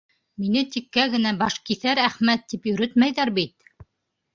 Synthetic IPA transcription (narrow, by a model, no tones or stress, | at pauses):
minɘt̪ikːæɡɘ̆næbɑʃkiθæɾæχmæt̪ːipjɵ̆ɾɘt̪mæjðæɾbit̪̚